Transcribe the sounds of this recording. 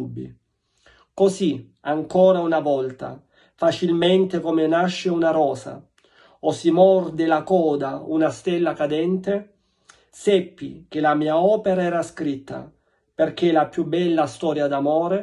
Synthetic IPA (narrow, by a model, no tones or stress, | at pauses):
ubːḭ | kosi | aŋkɔːɾaunavɔlt̪a̰ | fat͡ʃilment̪ekomenaʃːeunaɾɔːza̰ | osimɔrd̪elakɔːd̪aunast̪ɛlːakad̪ɛnt̪e | sɛpːik̟elamiːaɔːpeɾaɛːɾaskɾit̪ːa̰ | perk̟elapjubːɛlːast̪ɔːɾjad̪amoːɾe